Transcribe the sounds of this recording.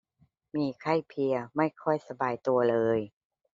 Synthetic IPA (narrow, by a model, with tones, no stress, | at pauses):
miː˧kʰa˥˩jpʰi˧əma˥˩jkʰɔ˥˩jsa˧baː˨˧jt̪u˧ɐlɤː˧j